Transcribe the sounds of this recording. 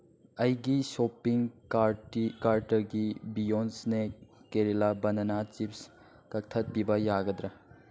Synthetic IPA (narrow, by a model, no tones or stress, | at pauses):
ɐjɡisopiŋaɾikaɾtɐɾɡibijonsnekːeɾilabɐnɐnat͡ʃips | kɐk̚tʰɐt̚pibɐjaɡɐdɾɐ